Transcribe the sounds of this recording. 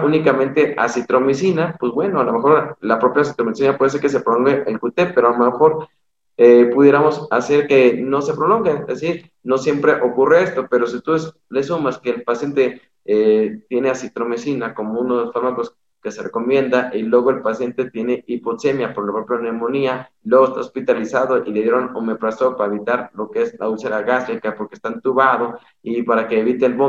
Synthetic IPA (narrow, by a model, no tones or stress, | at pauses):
ʔunikamẽ̞nt̪e̞ʔa̰sit̪ɾo̞mis̬inapwe̞zbwe̞noalo̞me̞xo̞ɾlapɾo̞pjasit̪ɾomisimjapwe̞ðs̬eɾkes̬e̞pɾolo̞ŋɡeʔelkut̪epːeɾoalomexo̞ɾ | epuðje̞ɾamo̞sase̞ɾke̞no̞se̞pɾo̞lo̞ŋɡeesiɾ | no̞sje̞mpɾe̞ʔo̞kureest̪o̞pe̞ɾo̞s̬it̪us | lesumaskeːlpasje̞nt̪e̞ | et̪je̞ne̞asit̪ɾo̞me̞sinako̞mounoosfaɾmako̞s | kese̞reko̞mje̞nd̪aʔilwe̞ɣoe̞lpasje̞nt̪et̪je̞ne̞ipo̞se̞mjapoɾlapɾopɾjaneɾmo̞niailweɣest̪aospit̪alisaðo̞ʔileðjeɾonomepɾasopaɾaeβit̪aɾlo̞keeslaulseɾaɣasɾikapo̞ɾkest̪ant̪uβað̞o̞ | ipaɾake̞ːβit̪elβo